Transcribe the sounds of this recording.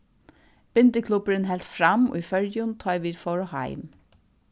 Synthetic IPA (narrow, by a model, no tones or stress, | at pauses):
b̥ʏnd̪əkʰlʉbəɹənhɛlt̪fɹɑmo̰ːiːfœɹjʊnt̪ʰɑɪʋiːd̪fɔɹohɑ̰ɪm